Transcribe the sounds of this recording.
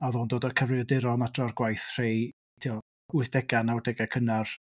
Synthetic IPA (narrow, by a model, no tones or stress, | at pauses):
aðɔːndoːdɔkʰəvrɪɔdɪɾɔmadrɔrɡwajθr̥ej | tʰiɔ | wɪθd̥ɛɡanawɪdɛɡakʰənar